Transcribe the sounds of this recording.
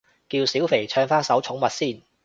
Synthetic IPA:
kiː˧wsiː˨˥wfe˨˩jt͡ʃʰœː˧ŋfaː˥nsɐ˨˥wt͡ʃʰʊ˨˥ŋmɐ˨t̚siː˥˩n

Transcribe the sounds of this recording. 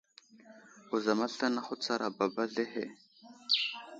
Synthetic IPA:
u˨za˨ma˦ɬa˦na˦χʊ˦t͡sa˦ɾʔa˨ba˨ba˦ɮe˦he˦˨

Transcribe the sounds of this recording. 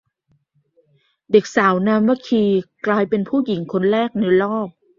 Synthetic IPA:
de˨˩k̚saː˩˦wnaː˧mwa˧˥kʰiː˧klaː˧jpe˧npʰuː˥˩ji˩˦ŋkʰo˧nɾɛː˥˩k̚na˧jlɔː˥˩p̚

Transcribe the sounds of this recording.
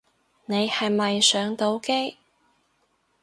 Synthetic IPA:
ne˨˧jhɐ˨jmɐ˨jsœː˨˥ŋt̪o˨˥wke˥j

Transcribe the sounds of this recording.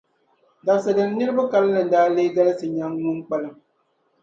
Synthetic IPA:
ɡa˨sɨ˨dɨ˨n˦nɨ˦ɾɨ˦ba˦ka˦lɨ˦lɨ˨n̩˨daː˦leː˦ɡa˦lɨ˦sɨ˨ɲa˦ŋː˦u˦k͡pa˦lɨ˦m

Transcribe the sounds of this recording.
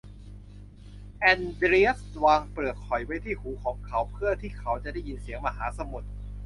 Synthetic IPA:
ʔɛː˧ndɾi˦˥ə˥˩swaː˧ŋpɯ˨˩ət̪̚kʰɔ˨˩jwa˦˥jt̪ʰiː˥˩huː˩˦kʰɔː˩˦ŋkʰa˨˦˥wpʰɯ˥˩ət̪ʰiː˥˩kʰa˩˦˥wt͡ɕa˨˩ʔda˥˩ji˧nsi˩˦əŋmaː˧ɦaː˩˦˥sa˧mu˨˩t̪̚

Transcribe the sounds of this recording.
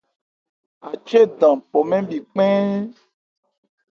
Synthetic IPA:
a˨t͡ʃe˦ɖã˨po˨mɛ̃˦bi˨k͡pɛ̃˦

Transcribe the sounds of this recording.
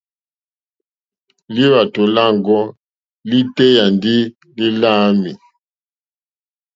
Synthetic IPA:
li˦βa˨to˨la˦˨ŋɡɔ˦ | li˦te˦ja˨ndi˦ | li˦la˦mi˨

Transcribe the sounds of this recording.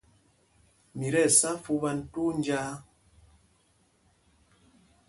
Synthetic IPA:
mi˨ɾɛ˦˨sa˦fu˦βa˦n̩˦tu˦n˦d͡ʒaː˦

